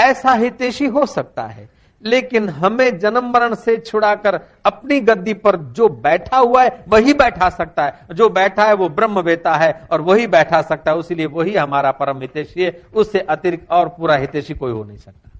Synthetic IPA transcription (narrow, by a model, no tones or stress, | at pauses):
ɛːsaɦɪt̪eːʃiɦosɐk̚t̪a̰ɦɛ̰ː | leːkɪnɦɐmẽd͡ʒɐnəmːəɾəɽ̃set͡ʃʰʊɽakəɾ | ɐpniɡɐd̪ipɐɾd͡ʒoːbɛːʈʰaɦuaɦɛʋɐɦibɛːʈʰasɐk̚t̪aɦɛd͡ʒoːbɛːʈʰaɦɛʋobɾəmːʋeːt̪aɦɛɔːɾʋɐɦibɛːʈʰasɐk̚t̪aɦɛʊsilieʋoɦiɦɐmaːɾapɐɾəmɦɪt̪eːʃiɦɛʊsːeʔɐt̪ɪɾɪkɔːɾpuːɾaɦɪt̪eːʃikoːiɦo̰nɐ̰ɦĩsɐk̚t̪ḁ